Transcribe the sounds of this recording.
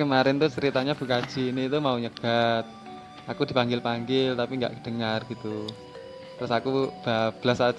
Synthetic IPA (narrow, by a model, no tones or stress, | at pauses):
kəmaɾɪnt̪ut͡ʃəɾit̪aɲab̥ukḁd͡ʒ̥i̤nit̪umauɲəɡ̥at̪̚ | ʔakud̥i̤paŋɡɪlpaŋɡɪlt̪apiŋɡa̰ʔd̥əŋarɡ̥it̪u | t̪ɾʊsakub̥ab̥əlasa